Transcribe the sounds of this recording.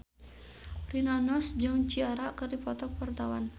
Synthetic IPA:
rinanɔsd͡ʒaŋt͡ʃiaɾakərdipɔt̪ɔk̚pərt̪awan

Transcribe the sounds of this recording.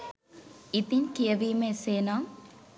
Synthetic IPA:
it̪iɲkijəʋiːməeseːnaŋ

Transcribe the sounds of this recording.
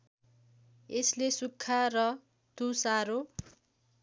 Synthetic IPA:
eslesukʰːarʌ | t̪usaɾo

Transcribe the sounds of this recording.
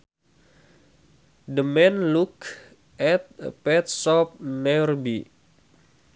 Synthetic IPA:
dəmɛnluk | ɛt̪̚pɛt̪̚sɔp̚nɛrbi

